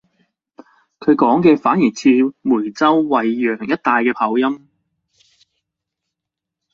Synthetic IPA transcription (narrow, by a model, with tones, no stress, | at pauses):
kʰɵ˨˧ɥkɔː˨˥ŋkɛː˧faː˨˥njiː˨˩jt͡sʰiː˧muː˨˩jt͡sɐ˥wwɐ˨jːœː˨˩ŋjɐ˥t̚t̪aː˨jkɛː˧pʰaː˨˥wjɐ˥m